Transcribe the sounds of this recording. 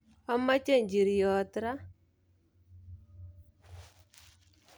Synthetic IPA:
ɔ˦mːa˦t͡ʃe˦˨ɲd͡ʒi˨ɾi˨jɔ˨˦t̪ɾa˦

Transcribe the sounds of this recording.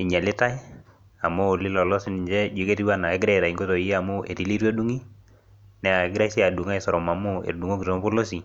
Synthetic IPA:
ɪ˨ɲa˨lɪ˦ta˦j | a˨moː˦˨lɪ˦lɔ˨lɔ˦si˦nɪ˨ɲd͡ʒɛ˦d͡ʒwe˨˦ke˦ti˦wa˦na˨e˦ɡɾɛ˦˨ɾa˨i˨ŋɡo˦to˨˦ja˨mʊ˦ʔe˨ɾi˦li˦ɾo˦du˦ŋi˦ | nɛ˦a˨e˨˦ɡɾa˦si˦a˨du˨ŋa˦˨sɔ˨ɾɔ˨ma˨mʊ˦ḛ˨ɾdu˨ŋo˦ki˨so˨˦m˦po˦lo˦si˨

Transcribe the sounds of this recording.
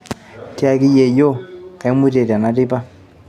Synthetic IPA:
ta˦ki˦je˨jo˦ke˨˦mi˦te˨ta˨na˨ti˦pa˦

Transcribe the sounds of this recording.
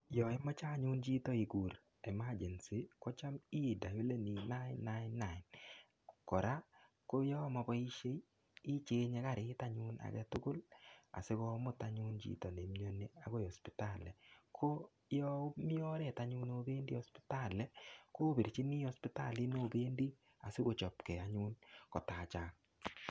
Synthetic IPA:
jɔ˨e˦mɔ˦t͡ʃa˦˨ɲʊ˦nd͡ʒi˦t̪ɔ˦i˨ɡu˨ɾ | ɛ˨ma˦d͡ʒɛ˨nsi˦kɔ˦t͡ʃa˦mi˦˨da˨jo˦le˦ni˨na˦nːa˦ɪ˦nːa˨ɪ˨n | kɔ˨ɾa˦ | ko˦jɔ˦mɔ˨˧bɔ˦i˦ʃe˦ | ɪ˦t͡ʃe˨˦ɲe˦ka˨ɾɪ˨ɪ˦ta˦ɲʊ˦na̰˨ɡɛ̰˦tʊ˦ɡʊ˦la̰˨se˦ɣɔ˦mʊ˦ta˨ɲu˦nd͡ʒḭ˦˨tɔ˨ne˨mɲo˦ne˦a˨˦ɣo˦jɔ˨spɪ˨ta˦˨lɛ˨kʰo˦ | jɔ˦mɪ˦ɔ˦ɾɛ˨ta˦ɲu˦no˦beː˦ndi˦ɔ˨spɪ̥˦ta˦˨lɛ˦ko˦bi˨ɾt͡ʃi˦mi˦ɔ˦spɪ˦ta˦˨li˦no˦be˦ndi˦ | a˨se˦ko˨t͡ʃɔ˨pkɛ˨a˨ɲu˦nkɔ˨ta˨t͡ʃaː˦ŋ

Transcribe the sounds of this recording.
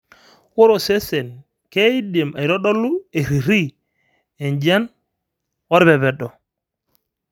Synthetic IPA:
ko˦ɾo˨se˦se˨n | ke˦i˦de˨ma˨i˨ɾɔ˦ɗɔ˦lu˦e˨ɾi˨ɾi˦ | e˨nd͡ʒa˦n | ɔ˦ɾbɛ˨βɛ˨ɗɔ˨

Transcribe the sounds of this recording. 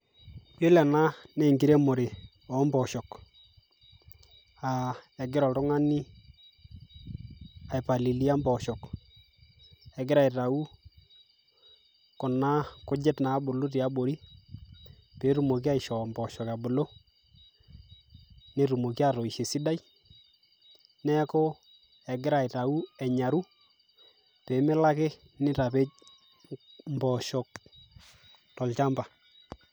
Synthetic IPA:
pjo˦lɛ˨na˦ne˨ŋɡi˨ɾe˦mo˨ɾe˨ | ɔ˨˦mbɔ˨ʃɔ˨k | a˨ɛ˨ɡɪ˦ɾɔ˨ltʊ˦ŋa˦ni˦ | a˨ɪ˨pa˨li˨li˦a˦mbɔ˨ʃɔ˨k | ɛ˨ɡɪ˦ɾa˨i˨ta˨u˦ | kʊ˨na˦kʊ˦d͡ʒɪ˦tnaː˨˦bʊ˨lu˦t̬i˨a˦bo˨ɾi˦ | pe˨˦ɾu˨mo˨k̬i˦a˦i˨ʃɔ˨mbɔ˨ʃɔ˨ka˨bʊ˨lo˦ | ne˦ɾu˨mo˨ki˦a˦ɾɔ˨i˨ʃe˨si˦da˦j | nɛ˦ko˦ | ɛ˨ɡɪ˦ɾa˨i˨ta˨u˦ɛ˨ɲa˨ɾu˦ | pe˨˦mɛ˦la˦kɪ˦ | nɪ˦ta˨pe˦t͡ʃ̚ | mbɔ˨ʃɔ˨k | tɔ˨lt͡ʃa˦mba˨

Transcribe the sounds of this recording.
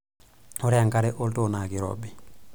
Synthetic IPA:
o˦ɾɛ˦aŋkaɾɛ˦ʔo˦lto˨na˨ki˨ɾɔ̰bi˨

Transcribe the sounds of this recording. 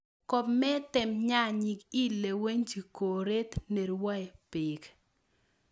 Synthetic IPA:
kɔ˨pmɛ˦tɪ˨mɲa˦ɲi˨ki˦le˨we˦ɲd͡ʒi˨ko˨ɾe˦t̪ne˨ɾwa˦ɛ˨pɪ˨k

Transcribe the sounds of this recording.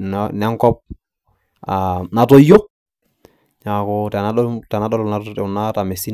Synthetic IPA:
nnɛ˦ŋkɔ˦p̚ | ana˨to˦jo˦k̚ | ɲa˨kɔtɛ˨natɛ˨na˦ɗɔ˦lɔ˨na˦tna˦ta˨me˨si˦

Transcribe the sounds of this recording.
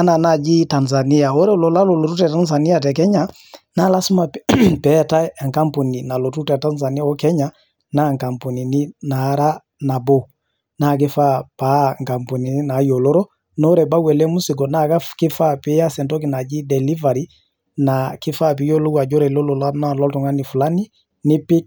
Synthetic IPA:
a˦na˨na˨d͡ʒi˦ta˨nza˨ni˦ja˨ɔ˦ɾɛ˦ɔ˨lɔ˨la˦lɔ˨lɔ˨tu˦tɛ˨ta˦ns̬a˨ni˦a˨t̬ɛ˨k̬ɛ˦ɲa˨ | na˦la˦su˦ma˨pɛ˨ta˦ɛ˨ŋka˦mpo˨ni˨na˨lɔ˨tu˦tɛ˨ta˦nza˨ni˦a˦ɔ˦kɛ˦ɲa˦ | na˦˨ŋka˨mpo˨ni˨ni˦na˨˦ɾa˦ | na˨bɔ˦ | na˦˨k̬ɪ˦fa˦pa˨˦˨ŋka˨mpo˨ni˨ni˦na˨˦jo˨lɔ˦ɾɔ˦ | nɔ˦ɾɛ˨ba˦wɛ˨lɛ˦mu˦si˨ɡɔ˨na˦ka˦kɪ˦fa˦pɪ˦ja˦sɛ˨ntɔ˦k̬i˨na˨d͡ʒi˦dɛ˨li˦va˨ɾi˦ | na˨kɪ˦fa˦p̬i˨˦jo˦lo˦ɡa˨ɟɔ˦ɾɛ˨lo˦lɔ˨la˦na˦lɔ˦ltɔ˨ŋa˦ni˨fu˨la˦ni˦ | nɪ˦pɪ˦

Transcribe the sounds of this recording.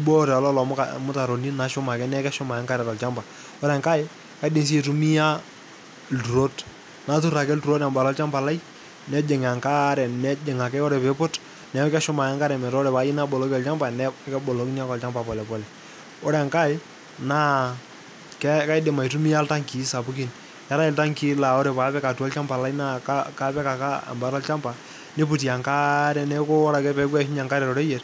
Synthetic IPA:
i˦bɔ˦ɾɛ˨ɔ˨lɔ˦lɔ˨m˦kamʊ˦ta˨ɾo˨ni˦na˨ʃʊ˦ma˨kɛ˦nɛ˦kɛ˦ʃʊ˦ma˨ja˦ŋka˦ɾɛ˨ɾɔ˨lt͡ʃa˦mba˨ | ʊ˦ɾɛ˨ŋka˦ɪ˦ | ka˨˦ɪ˦dɪ˨ŋs̬i˦˨tu˦mi˦ja˦ | ltu˨ɾo˦t | na˨tu˦ɾa˨kɛ˦ldu˨ɾo˦ta˨mba˨lɔ˦lt͡ʃa˦mba˨la˦j | nɛ˦d͡ʒɪ˨ŋa˨ŋka˦ɾɛ˨nɛ˦d͡ʒɪ˨ŋa˨kɛ˦ɔ˦ɾɛ˨pɛ˦pʊ˦t | nɛ˨˦kɛ˦ʃʊ˦ma˨ja˦ŋka˦ɾɛ˨mɛ˨ɾɔ˦ɾɛ˨pa˨˦ji˦na˦bɔ˨lɔ˨˦kɔ˨lt͡ʃa˦mba˨nɛ˦kɛ˦bɔ˨lo˨˦kn˦a˦kɔ˨lt͡ʃa˦mba˨pɔ˨lɛ˨pɔ˨lɛ˨ | o˦ɾɛ˨ŋka˦ɪ˦ | naː˦ | kɛ˦ka˦jdɪ˨ma˨jtu˦mi˦ja˦lta˦ŋki˨˦sa˨pu˦ki˨n | ja˦ɾa˦ɪ˨lta˦ŋki˦la˨ɔ˦ɾɛ˨pa˨˦pɛ˦ka˨tu˨ɔ˦lt͡ʃa˦mpa˨la˦ina˦aka˦pɛ˦ka˨ka˦a̰˨mba˨˦ɾɔ˦lt͡ʃa˦mba˨ | ne˦p̬u˨ti˨a˨ŋka˦ɾɛ˨nɛ˦ko˦ɔ˦ɾa˨kɛ˦pɛ˨˦kwɛ˦ʃɪ˦ɲa˨ŋka˦ɾɛ˨ɾɔ˨ɾɛ˦jɛ˨r

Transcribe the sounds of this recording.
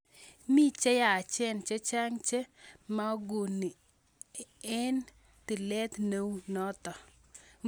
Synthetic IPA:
mi˦t͡ʃe˦ja˨t͡ʃɛ˦nt͡ʃe˦t͡ʃa˦ŋt͡ʃe˦ma˦o˦ɡu˨ni˨ | ɛ˦n | t̪ɪ˨lɛ˦t̪ne˦wnɔ˦t̪ɔ˨

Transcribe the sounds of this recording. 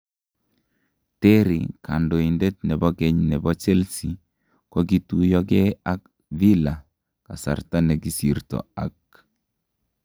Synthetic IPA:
tɛ˦ɾikʰa˨ndo˨inde˦t̚nɛ˨bɔ˦ɡɛ˦ɲnɛ˨bɔ˦t͡ʃe˦lsi˨ | kɔ˦ɡi˦tu˦jɔ˦ɡɛ˦a˦k̚ | vi˦la˨ | ka̰˨sa̰˨rta˦nɛ˨ɡi˦si˨rtɔ̰˨a˨k̚

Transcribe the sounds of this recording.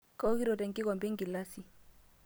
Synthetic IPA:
ka˦ki˦ɾɔ˨tɛ˨ŋki˦kɔ˨mbɛ˦ŋ˦ɡi˨la˦si˨

